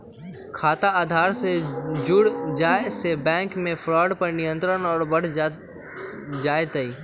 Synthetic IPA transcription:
kʰaːt̪aaːd̪ʱaːɾsed͡ʒʊɽd͡ʒaːesebɛ̃ːŋkmẽfʰɾɔːɖpɐɾnɪjə̃nt̪ɾənɔːɾbɐɽ | d͡ʒaːet̪əiː

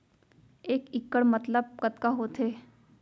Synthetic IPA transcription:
eːkɪkːəɽmət̪ləb̚kət̪kaɦot̪ʰeː

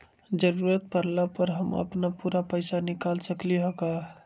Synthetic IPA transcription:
d͡ʒəɾuːɾət̪̚pəɾlapəɾɦəmə̰pnapuːɾapəɪsanɪkaːlsəkliɦokaː

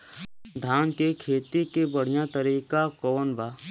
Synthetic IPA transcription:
d̪ʱaːnkekʰeːt̪ikebəɽ̤ijãt̪əɾiːkakɔːnbaː

